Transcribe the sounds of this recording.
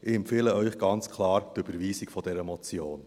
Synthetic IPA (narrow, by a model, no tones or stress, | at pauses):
ʔɪɛmpfeːləœʏχɡ̥ɑnt͡skʰlɑːɾt̪øb̥əɾviːsikfɔdɛɾəmɔt͡sjoːn